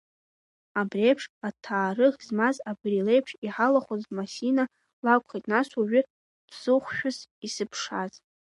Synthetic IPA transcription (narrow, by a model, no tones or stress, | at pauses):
abrejpʰʂatʰaːrɨʁzmazabrilejpʰʂiħalaχʷozmasina | lakʷχejtʼnasuɥʏ | dʰz̥ɨχʷʃᶣʊzisɨpʰʂaz